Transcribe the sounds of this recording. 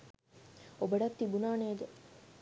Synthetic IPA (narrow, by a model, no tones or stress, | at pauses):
obɐɖɐt̪ːibunaːneːɡ̪e